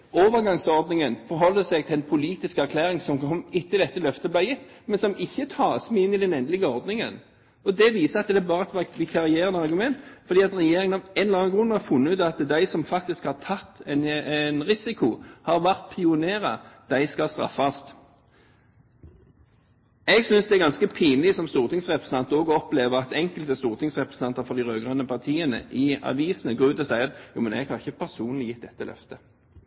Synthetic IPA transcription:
oːʋəʁɡɑŋsɔʁd̪nɪŋənfɔɾɦɔlːəsɛɡt̪ʰɪlɛnpʰʊliːt̪ɪskæʁkʰlæːʁɪŋsɔmkʰɔmːɪt̪ːəd̪ɛt̪ːəlœft̪əblæjɪt̪ːmɛnsɔmɪçːət̪ʰɑːsmɛɪɪnːɪd̪ɛnɛnd̪əlɪɡəɔʁd̪nɪŋə̰n | ɔd̪ɛʋiːsəɑt̪̚d̪ɛæːbɑːɾəɛt̪ʋɑʋɪkʰɑʁɪeːʁənəɑʁɡʉmɛnt̪fɔʁd̪iːɑt̪ɾɛjeːɾɪŋənɑʋɛnlɑnɡɾʉnːəhɑfʉnːʉːt̪ɑt̪d̪æɪsɔmfɑk̚t̪ɪskhɑʁt̪ʰɑt̪ːnnʁɪsɪkʰʊhɑʁʋæʁt̪̚pʰɪʊneːʁɑd̪̥æɪskɑlst̪ʁɑ̰fːɑst̪ | ɛɡsʏnsd̪ɛæɡɑnskəpʰiːnlɪsɔmst̪uːʁt̪ʰɪŋsʁɛpɾəs̩n̩t̪ɑnt̪əɔːɡɔpleːʋəʁɑt̪ɛŋkəlt̪əst̪uːʁt̪ʰɪŋsʁɛpɾəsn̩t̪ɑnt̪əɾfɔɾd̪ɪʁøːɡʁɑnːəpʰɑʁt̪ʰiːənə̰ʔɪɑ̰ʋiːsən̩əɡʁʉːd̪əsæɪəjṵːmɛnɛ̰ɡhɑʁɪçəpʰæʁsuːnlɪjɪt̪̚d̪ɛt̪ːəlʔœ̰ft̪ə

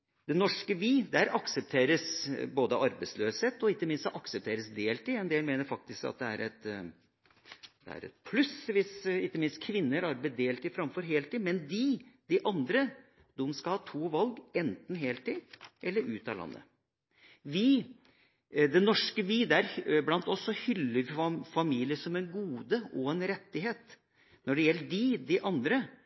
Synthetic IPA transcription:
d̪̥ɛnɔʂkəʋiːd̪æɾʔɑksəp̚t̪ʰeːɾəsboːd̪əʔɑɾbɛɪsløːsheːt̪ːɔɪk̪ːəmɪnst̪ʔɑksəp̚t̪ʰeːɾəsd̪eːlt̪ɪɛnd̪eːɾmeːnəɾfɑk̚t̪ɪskɑ̰t̪̚d̪ɛæ̰ɾɛt̪ | d̪̥ɛ̰æ̰ɾɛ̰t̪̚pʰlʉsʋɪsɪk̪ːəmɪnst̪kʰʋɪnːəɾɑɾbɛd̪eːlt̪ɪfɾɑmfɔɾɦeːlt̪iːmɛnd̪iːd̪̥ɪʔɑnd̪ɾə | d̪̥ʊmskɑlhɑːt̪ʰuːʋɑlɡɛnt̪n̩ɦeːlt̪iːʔɛlːəɾʉ̰ːt̪ɑ̰lɑ̰nːə̰ | ʋi | d̪ɛnɔʂkəʋiːd̪ɛæɾblɑnt̪ɔsːɔhʏlːəɾfɑmiːlɪəʂɔmɛnɡuːd̪əʔɔɛnɾɛt̪ːɪɦeːt̪ | nɔɖɛjɛlːəɖɪd̪ɪʔɑnd̪ɾə

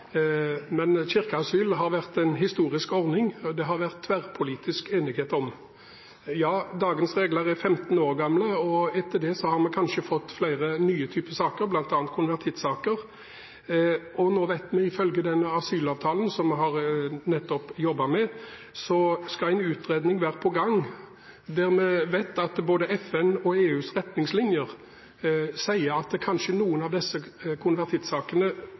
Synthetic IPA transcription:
mɛnçɪʁkəɑsyːlɦɑɾʋæʁt̪ɛnɦɪst̪uːɾɪskɔɾnɪŋd̪ɛɦɑʁʋæʁt̪ʰːʋæʁpʰʊliːt̪ɪskeːnɪɡheːt̪ɔm | jɑːd̪ɑːɡənsʁeːɡləɾæfɛmt̪n̩oːʁɡɑmləɔɛt̪ʰːəɖ̪ɛsɔhɑɾmɛkʰɑnʃəfɔt̪ːflæɪʁənyːət̪ʰyːpəsɑːkəɾblɑnt̪ɑːnt̪kʰʊnʋæʁt̪ʰɪt̪sɑːkəʁ | ɔnoːʋæɪt̪mɛɪfœlɡəd̪ɛnːəɑsyːlɑːʋt̪ʰɑːlənsɔmɦɑʁnɛt̪ːɔpjɔbːɑmɛ | sɔskɑæɪnʉːt̪ɾeːd̪nɪŋʋæːɾəpʰɔɡɑŋ | d̪æɾmɛʋæɪt̪ɑt̪boːd̪əʔɛfɛnɔeːʉːsɾɛt̪nɪŋslɪnjəʁ | sæɪəɑt̪̚d̪ɛkʰɑnʃənuːənɑʋd̪ɛsːəkʰʊnʋæʁt̪ʰɪt̪sɑːkənə

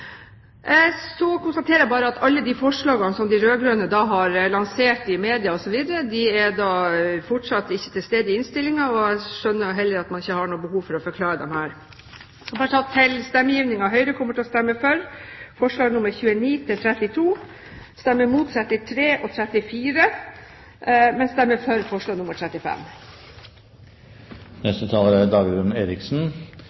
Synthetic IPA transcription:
sɔkʊnst̪ɑt̪ʰeːɾəjæɪbɑːɾəɑt̪ɑlːəd̪ɪfɔʂɭɑːɡɑnsɔmd̪ɪɾøːɡɾøːnəd̪ɑːɦɑɾlɑŋseːʈɪmeːd̪ɪɑɔsɔʋiːd̪əɾəd̪ɪɛd̪ɑːfɔʈʂɑt̪ːɪçːə̥t̪ʰɪlst̪eːd̪əɪɪnst̪ɪlːɪŋɑɔæɪʂœnːəjʊɦɛlːəɾɑt̪mɑnɪçːəhɑɳuːəbəhuːʋfɔɾɔfɔɾkʰlɑːɾəd̪ɛ̰mhæːɾ | sɔbɑʈ̪ʰɑt̪ʰːɪlst̪ɛmːəjiːʋnɪŋɑɦœʏɾəkʰɔmːəʈʰɪɔst̪ɛmːəfœɾfɔʂɭɑːɡnʊməɾçʉːəniːt̪ʰɪlt̪ʰɾɛt̪ːɪt̪ʰuː | st̪æmːəmuːt̪sɛt̪ːɪt̪ʰɾeːʔɔt̪ʰɾɛt̪ːɪfiːɾə | mɛnsd̪æɾmɛfœɾfɔʂɭɑːɡnʊməʈʰɾɛt̪ːɪfɛ̰m | nɛst̪ət̪ʰɑːləɾæd̪ɑːɡd̪ʉmeːɾɪksn̩

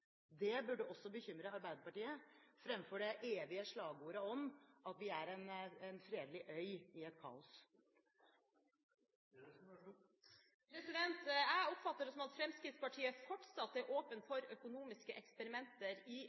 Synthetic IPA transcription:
d̪ɛbʉɖːəɔsːɔbəçʏmɾəɑɾbæɪd̪əpɑʈiːəfɾɛmfɔɖɛʔeːʋɪəʂɭɑːɡuːɾəɔmʔɑt̪ʋɪæɾɛnɛnfɾeːd̪lɪʔœʏɪɛt̪̚kʰɑ̰ːʊs | pʰɾɛsɪd̪ɛnt̪æɔpfɑt̪ːəɾsɔmɑt̪fɾɛmskɾɪt̪spɑʈʰiːəfɔʈsɑt̪ːæɾʔoːpənfɔɾœkʊnuːmɪskəʔɛkspəɾɪmɛnt̪əɾɪ

